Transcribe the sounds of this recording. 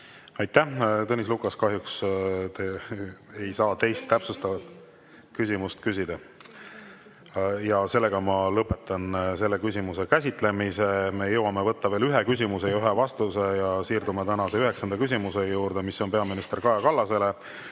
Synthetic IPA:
ɑjt̪ːæt̪ɤnis̬lukɑskɑɦjukst̪eejsɑːt̪e̞jst̪ːæpsust̪ɑvɑt̪ | kysʲimust̪kysʲid̪̥ɑ | jɑse̞lːe̞ɡ̥ɑmɑlɤpːˑe̞t̪ːˑɑnse̞lːe̞kysʲimuse̞kæsʲit̪ˑle̞mise̞me̞jɤwɑme̞vɤ̞t̪ːɑveːlyɦe̞kys̬ʲimuse̞jɑyɦevɑst̪use̞jɑsiːrd̪umet̪ænɑse̞yɦe̞ksɑnd̪ɑkys̬ʲimuse̞juːɾd̪̥e̞misːo̞npeɑminist̪e̞rkɑjɑkɑlːɑse̞le̞

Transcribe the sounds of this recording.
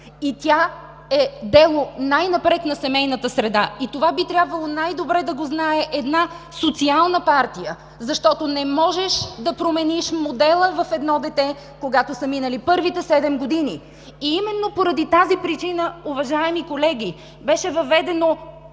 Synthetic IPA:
it̪ʲa | ɛd̪ɛlˠonajnɐpɾɛt̪nɐsɛmɛjnət̪əsɾɛd̪ait̪ovabit̪ɾʲabvəlˠonajd̪obɾɛd̪ɐɡoznaɛʔɛd̪na | sot̪sialˠnəpaɾt̪ijə | zɐʃt̪ɔt̪onɛmɔʒɛʃd̪ɐpɾomɛniʃmod̪ɛlˠəvɐfɛd̪nɔd̪ɛt̪ɛ | koɡat̪osəminəlipɤɾvit̪ɛsɛd̪ɛmɡod̪iniː | imɛnːopoɾɐd̪it̪azipɾit͡ʃinəuvɐʒaɛmikolɛɡ̟ʲi | bɛʃɛvɐvɛd̪ɛno

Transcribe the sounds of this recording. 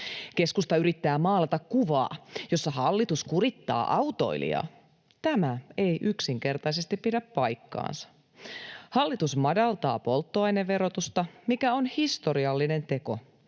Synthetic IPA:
ke̞skust̪ɑyɾit̪ːæːmɑːlɑt̪ɑkkuʋɑ̰ːjo̞sːɑhɑlːit̪uskuɾit̪ːɑ̰ːʔɑut̪o̞̰ilḭɑ̰ | t̪æmæe̞jʔyksiŋke̞rt̪ɑise̞st̪ippiɾæppɑjkːɑ̰ːnsɑ̥ | hɑlːit̪usmɑdɑlt̪ɑːpo̞lt̪ːoɑjneːe̞ɾo̞t̪ust̪ɑmikæo̞nhist̪o̞ɾiɑlːine̞nt̪e̞ko̞̰

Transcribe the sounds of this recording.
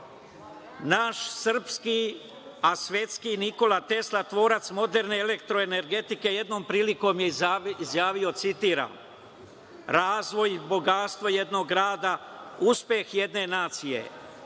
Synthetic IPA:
naʃsr̩pski | asʋje̞t̪skiniko̞lat̪e̞slat̪ʋo̞ːɾat̪smo̞d̪e̞ɾne̞ele̞kt̪ɾo̞ene̞ɾɡe̞t̪ike̞je̞d̪no̞ːmpɾiːliko̞ːmjeizjaːʋio̞t̪sit̪iːɾa̰ːn | ɾaːzʋo̞jibo̞ɡat̪st̪ʋoje̞d̪no̞ɡːɾaːd̪auspje̞xje̞d̪ne̞naːt̪sije̞̰

